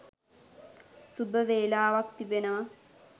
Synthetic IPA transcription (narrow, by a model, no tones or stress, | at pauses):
subʱɐʋeːlaːʋɐkt̪ibena